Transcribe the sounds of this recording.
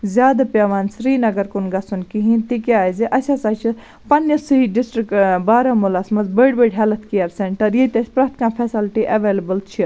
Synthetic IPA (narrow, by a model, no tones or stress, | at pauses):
zʲjaːd̪apʲeʋaːnsɾiːnɐɡɐɾkunɡɐsunkiɦĩnt̪ikaːziʔɐsʲaːsaːt͡ʃʰi | pɐnjɐsɨɦiɖisʈɾikbaːɾaːmulɐsmɐzbəɖbeɖɦɛlɐt̪ʰkijɐɾseɳʈɐɾjet̪ʲɐsʲpɾɐkt̪ʰkãːpʰɛsɪlʈiʔɐʋeːlɐbəlt͡ʃʰi